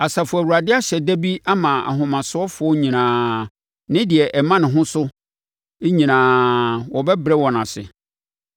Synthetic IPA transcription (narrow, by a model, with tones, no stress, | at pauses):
a˨sa˨fʊ˨æ˨wu˨a˨dɪ˦a˦ɕɛ˨dæ˦bi˦a˦mã˨a̰˨ɦʊ̃˨mã˨sʊ˦ɔ˦fʊ˨˦ɔ˦ɲĩ˨nãː˨ | nɪ̃˦dɪ˨ɛ˨ʔɛ˨mã˦nɪ̃˨ɦʊ̃˦sʊ˦ | e˦ɲĩ˨nãː˨wɔ˨bɛ˦bɾɛ˦wɔ̃˨nã˨sɪ̰˨